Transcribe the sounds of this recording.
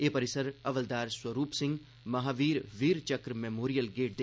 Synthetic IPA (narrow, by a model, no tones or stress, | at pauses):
eːpɐɾɪsəɾɐʋəld̪aːɾswɐɾuːpsɪ̃ŋɡ | mɐɦaːʋiːɾʋiːɾt͡ʃɐkɾmeːmoːɾijəlɡeːʈ̚d̪e